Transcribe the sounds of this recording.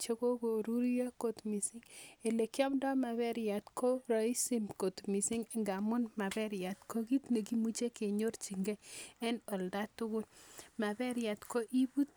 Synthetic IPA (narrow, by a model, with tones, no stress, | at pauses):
t͡ʃe˦ko˦ko˨ɾu˦ɾja˦ko˨tmi˨sɪ˦ŋe˨le˨kjɔ˦mdɔ˦ma˨βɛ˦ɾja˨tkʰo˦ɾɔ˨i˦si˦mko˨tmi˨si˦ŋ˨ŋɡa˨mʊ˦nma˨bɛ˦ɾja˨tko˦ki˦tne˨ki˦mu˦t͡ʃe˦ke˨ɲo˦rt͡ʃi˨ŋɡɛ˦e˦no˨lda˦tʊ˦kʊ˦nma˨bɛ˦ɾja˨tko˦ʔi˦bu˦t̚